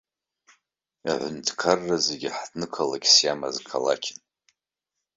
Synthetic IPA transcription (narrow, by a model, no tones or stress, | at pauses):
a̰ʕʷʊntʰkʰarːazeɡʲɪħdnɨkʰalaɡʲsjama̰zkʰala̰kʲʰɪn